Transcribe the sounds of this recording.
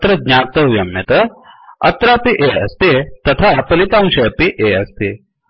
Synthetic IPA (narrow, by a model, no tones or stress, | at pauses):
t̪ɾɐd̪ɲaːk̚t̪ɐʋjɐmːjɐt̪ɐɐt̪ɾaːpiʔeɐst̪et̪ɐt̪ʰapɐlit̪aːmʃɐpiʔeɐst̪i